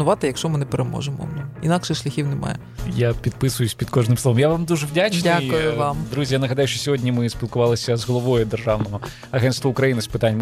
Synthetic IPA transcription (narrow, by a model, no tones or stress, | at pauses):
ʊʋɑt̪ɪjɐkʃɔmɪnɛpeɾemɔ̰ʒemɔ̰nḭnɑkʃɛʃlʲɐxʲiwnɛmɑ̰jɛ | japʲid̪̚pɪsʊjʊsʲpʲid̪kɔʒnɪmslˠɔʋɐmjaʋɑmd̪uʒɛʋdʲat͡ʃdnʲakʊjʊʋɑmd̪ɾuzʲijanɐɦɐd̪ɑjʊʃt͡ʃɔsʲɔɦɔdʲnʲimɪsʲpʲilˠkʊʋɑlˠɪsʲɐzɦɔlˠɔʋɔjʊd̪erʒɑwnɔɦɔ | ɐɦɛnst̪ʋɔukɾɐjinɪspɪt̪anʲ